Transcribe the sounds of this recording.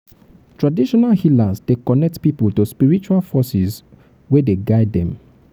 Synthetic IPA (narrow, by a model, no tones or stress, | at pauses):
tɹadiʃɔnalhilazdekɔnɛk̚tpipəltospiɹit͡ʃualfɔsɛz | wedeɡaɪdɛ̰̃m